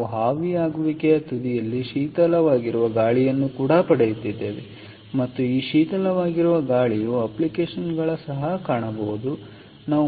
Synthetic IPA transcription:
uɦaːʋijaːɡuʋikeɐt̪ud̪ijɐlːiʃiːt̪ɐlɐʋaːɡiɾuʋɐɡaːɭijɐnːukuːɽɐpɐɽejut̪id̪ːe̞ːʋe | mɐt̪ːuiːʃiːt̪ɐlɐʋaːɡiɾuʋɐɡaːɭijuɐplikeːʂɐnɡɐɭɐsɐɦɐkaːɳɐbɐʋud̪u | naː

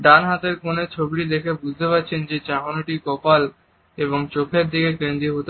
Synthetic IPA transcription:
ɖanɦat̪eɾkonet͡ɕʰobiʈid̪ekʰebud͡ʑʱt̪ʰepatːɕʰend͡ʑet͡ɕaɦonoʈikɔpal | eβoŋt͡ɕokʰeɾd̪ikekend̪ioɦot̪

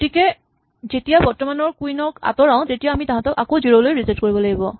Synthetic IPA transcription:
kotikɛ | zetijabɔɹtɔmanɔɹkuinɔɹka̰tɔɹaʊ̃tetijaamitãɦãtɔkakoziɹolojɹizɛtkoɹibɔlaɡibɔ

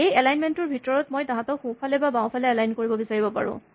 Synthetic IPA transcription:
ejɛlajnmentʊɹbʱitɔɹɔtmojtãɦãtɔxũpʰalɛbabãw̃pʰalɛɛlajnkoɹibɔbisaɹibɔpa̰ɹʊ̰̃

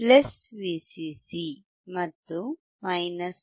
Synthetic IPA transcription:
plesʋiːsisi | mɐt̪ːu | mɐjnɐs

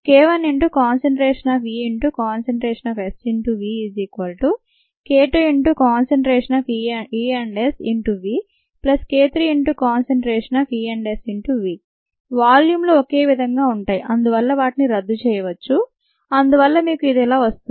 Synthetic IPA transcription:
keːʋɐniɳʈukaːnseɳʈɾeːʂɐnaːfiːiɳʈukaːnseɳʈɾeːʂɐnɐːfesiɳʈuʋiːiziːkʋɐlʈu | keːʈoiɳʈukaːnseɳʈɾeːʂɐnɐːfiiːɐɳɖesiɳʈuʋiː | plɐskeːt̪ɾiiɳʈukaːnseɳʈɾeːʂɐnaːfiːɐɳɖesiɳʈuʋiː | ʋaːljuːmloːoke̞ːʋid̪ʱɐŋɡaːuɳʈaːjiʔɐnd̪uʋɐlːɐʋaːʈiniɾɐd̪ːut͡ʃɛːjɐʋɐt͡ʃːu | ɐnd̪uʋɐlːɐmiːkuid̪ɛlaːʋɐst̪u

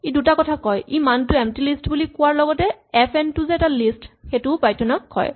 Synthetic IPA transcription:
edutakɔtʰakɔjʔimantʊɛmtilistbulikʊwaɹlɔɡɔtɛɛpʰɛntʊzeɛtalistxetʊpajtunɔkːɔ̰j

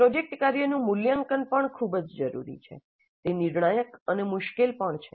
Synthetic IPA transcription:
pɾɔd͡ʒek̚ʈkaɾjənũmʊljaŋkənpəɳkʰubd͡ʒd͡ʒəɾṵɾḭt͡ʃʰḛ | t̪eniɾɳajəkənemʊʃkelpəɳt͡ʃʰe

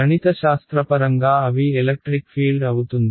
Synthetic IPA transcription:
ɐnit̪ɐʃaːst̪ɾɐpɐɾɐŋɡaːɐʋielek̚ʈɾikpʰiːlɖɐwut̪und̪

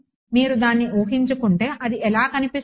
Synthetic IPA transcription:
miːɾud̪aːnːiʔuːɦiɲt͡ʃukuɳʈe̞ːʔɐd̪iʔɛlaːkɐnipis

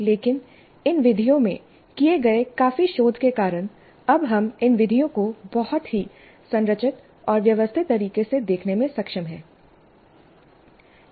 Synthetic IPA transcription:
leːkɪn | ɪnʋɪd̪ʱijõmẽ | kieɡɐekaːfiʃoːd̪ʱkekaːɾəñ | ɐbɦɐmɪnʋɪd̪ʱijõkobɔɦʊt̪ɦi | sɐ̃nɾət͡ʃɪt̪ | ɔːɾʋjɐʋəst̪ʰɪt̪ːɐɾiːkesed̪eːkʰnemẽsɐkʃəmɦɛː

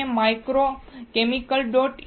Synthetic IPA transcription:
emajkɾokemikəlɖoʈ

